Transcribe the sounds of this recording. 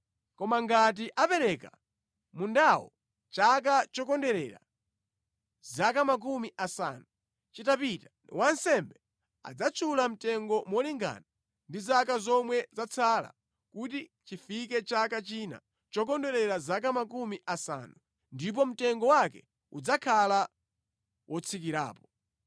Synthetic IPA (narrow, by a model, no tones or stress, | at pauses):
kɔmaŋɡat̬iʔapɛɾɛka̰ | mundawɔ̰ | t͡ʃak̬at͡ʃɔkɔndɛɾɛɾa̰ | zakamak̬umiʔasa̰ːnu | t͡ʃitapitḁ | wansɛmbɛ | a̰d͡zat͡ʃʰulam̩tɛŋɡɔmwɔliŋɡa̰ːna | ndizakazɔmwɛzat͡sʰala̰ | kutit͡ʃifikɛt͡ʃakat͡ʃina̰ | t͡ʃɔk̬ɔndɛɾɛɾazak̬amak̬umiʔasa̰ːnu | ndip̬ɔm̩tɛŋɡɔwakɛ | ud͡zakʰala | wʔɔt͡sʰik̬iɾa̰ːpɔ̥